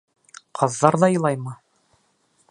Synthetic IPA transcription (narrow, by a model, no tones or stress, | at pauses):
qʰɑðːɑɾðɑjɤ̆lˠɑjmɤ